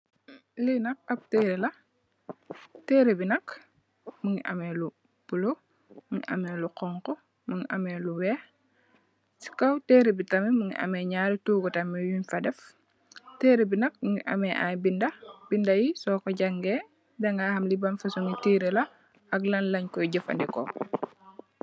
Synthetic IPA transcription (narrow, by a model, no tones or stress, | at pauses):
linɐk̚ɐp̚teɾelɐ | tɛːɾebinɐk | muŋiʔɐ̰mɛlu | b̥ulo | muŋiʔɐ̰mɛːluqɔŋkɔ | muŋiʔɐmɛːluwɛː | si̥kɐwteːɾebitɐmimuŋḭʔɐ̰mɛːɲaːɾituːɡɔtɐmijunfɐdɛf | tɛːɾebinɐk̚muŋiʔɐ̰mɛʔa̰jbindɐbindɐjisɔːkɔɟɐŋɡɛː | bɛŋɡahɐmlibɐmfɐsuŋitiːɾelɐ | ɐklɐnlɐɲkɔjɟɐfɐ̰ndɛkɔ̰